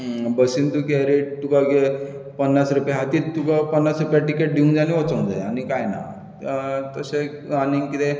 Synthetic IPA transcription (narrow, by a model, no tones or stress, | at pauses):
bəsint̪ukeɾeʈt̪ukaɡepənːasɾupjaɦat̪iːt̪t̪ukapənːasɾupjaʈikeʈ̚ɖʱiũŋd͡ʑaniot͡sə̃nd͡za̰jañikajna̰ | t̪əseaniŋkit̪e